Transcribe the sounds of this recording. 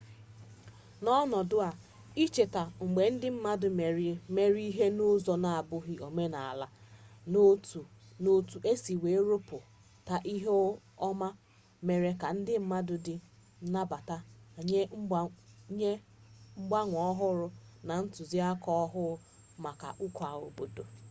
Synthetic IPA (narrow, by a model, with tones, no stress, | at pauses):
nɔ˦nɔ˨dʊ˦a˨ | i˦t͡ʃe˨ta˨ŋ͡m̩˨ɡ͡be˨n̩˦dɪ˦m̩˦ma˦dʊ˨me˨ɾi˦me˦ɾi˦ɦe˦nʊ˦zɔ˨na˨a˨bʊ˦ɦɪ˦o˨me˦na˨a̰˨la˦no˦tu˨no˦tu˨ʔe˦si˨we˨˦ɾo˦pʊ˨ | ta˨ʔi˦ɦe˦ | ɔ˦ma˦ | me˨ɾe˨ka˨n̩˦dɪ˦m̩˦ma˦dʊ˨dɪ˦ | na˦ba˨ta˦˨ɲe˦ŋ͡m̩˦˨ɲe˦ | ŋ͡m̩˦ɡ͡ba˦ŋʷɔ˨˦ɦʊ˦ɾʊ˦ | na˨n̩˦tʊ˨zi˦a˦kɔ˦ɔ˦ɦʊ˦ | ma˨ka̰˨ʔu˦kɔ˨a˨o̰˨bo˨do˨